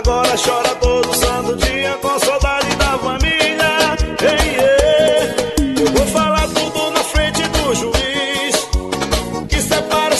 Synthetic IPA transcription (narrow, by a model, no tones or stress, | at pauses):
ɡɔɾɐʃɔɾɐt̪od̪ʊsɐ̃t̪ʊd͡ʒiɐkõsawd̪ad͡ʒɪd̪ɐfɐmiʎɐẽj̃e | ewvofalaɾt̪ud̪ʊnɐfɾẽt͡ʃɪd̪ʊʒuis | kɪsepaɾɐ